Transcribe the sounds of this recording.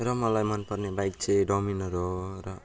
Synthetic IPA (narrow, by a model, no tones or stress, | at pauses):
rʌmʌlajmʌnpʌrnebajk̚t͡sʰeɖɔminʌɾɦoɾʌ